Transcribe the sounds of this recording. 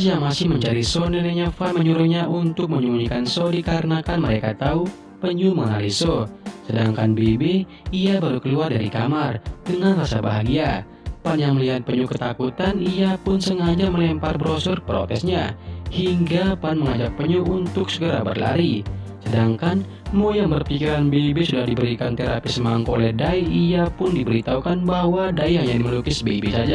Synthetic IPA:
sjaŋmasɪhməɲt͡ʃaɾisonileɲafanməɲuɾʊɲaunt̪ʊk̚məɲumuɲikansodikaɾənakanməɾekat̪au | pəɲuməŋa̰lisosədaŋkanbebɛ | iabaɾukəluardaɾikamardəŋanrasa̰baɦaɡia | panjaŋməliɦat̪̚pəɲukət̪akut̪aniapʊnsəŋad͡ʒaməlɛmparbɾosərpəɾo̰t̪ɛsɲahiŋɡapanməŋad͡ʒak̚pəɲuunt̪ʊksəɡəɾa̰bə̰rla̰ɾisədaŋkan | mojaŋbərpikiɾanbebesudahdibəɾikant̪eɾapɪsəmaŋkolɛdaiiapʊndibəɾit̪aukanbaɦwadaiaŋɛnməlukɪsbebesad͡ʒa

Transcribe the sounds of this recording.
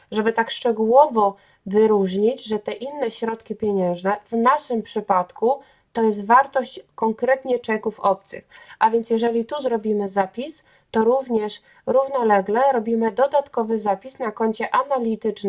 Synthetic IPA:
ʐɛbɘt̪akʂt͡ʂɛɡuwɔvɔ | vɘɾuʐɲid͡ʑʐɛt̪ɛʔinːɛɕɾɔt̪kʲipʲjɛɲɛ̃w̃ʐnɛvnaʂɘmpʂɘpat̪ku | t̪ɔjɛs̬t̪vaɾt̪ɔɕt͡ɕkɔŋkɾɛt̪ɲɛt͡ʂɛkufɔp̚t̪sɘ̰xʔavʲjɛnt̪sjɛʐɛlʲit̪uzɾɔbʲimɘzapʲis | t̪ɔɾuvɲɛʂ | ɾuvnɔlɛɡlɛɾɔbʲimɘd̪ɔd̪at̪kɔvɘzapʲisnakɔɲt͡ɕɛʔanalʲit̪ɘt͡ʂn

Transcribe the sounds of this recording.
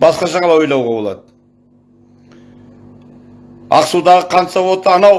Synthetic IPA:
bɑsqɑʃɑɴɑlˠɑjo̞jlˠɑwʁɑbo̞lˠɑ̰d̪ə | ɑ̰qsud̪ɑʁəqʰɑnt̪sɑwot̪əɑnɑw

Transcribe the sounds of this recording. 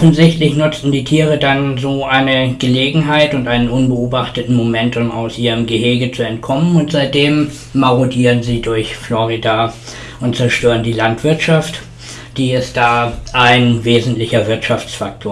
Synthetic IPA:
ʔɔfn̩zɪçtlɪçnʊt͡sn̩diːtʰiːʁədanzoːʔaɪnəɡ̥əleːɡŋ̩ɦaɪtʊntʔaɪnənʊnbəoːbaχtətn̩momɛntʊma̰ʊsʔiːʁəmɡəheːɡət͡suɛnt̚kʰɔmənʊntz̥aɪt̚d̥eːmː | aʁodiːʁənziːdʊɐçflɔʁida | ʊntt͡sɛɐʃtøːʁəndiːlantv̥ɪɐtʃaft | d̥iːɛstd̥aːʔaɪnveːzn̩tlɪçɐvɪɐtʃaft͡sfak̚tʰoːɐ

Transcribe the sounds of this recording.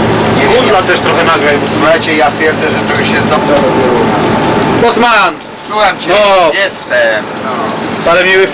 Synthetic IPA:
iunlat̪ɛʂt̪ɾɔxɛnaɡɾajsuxajt͡ɕɛijat̪fʲjɛɾd̪zɛʐɛt̪ɾɔxɛɕɛzd̪ɔmd̪ɔɾɔbɛw | bɔsman | suwɛmt͡ɕɔjɛst̪ɛmnɔalɛmɲɛwɨf

